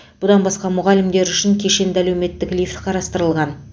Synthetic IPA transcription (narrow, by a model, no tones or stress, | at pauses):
b̥ʊd̪ɑnbɑsqɑmʊʁɑlɪmd̪e̞ɾʏʃɪŋkʲʰeʃe̞nd̪ɪælewme̞t̪ːɪklijft̪qʰɑɾɑst̪əɾəlˠʁɑn